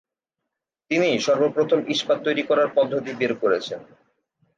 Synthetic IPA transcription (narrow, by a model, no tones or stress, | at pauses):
t̪iniʃɔɾbopɾot̪ʰomʔiʃpad̪̚t̪ːojɾikɔɾaɾpɔd̪ʱːot̪̬ibeɾkoɾet͡ɕʰen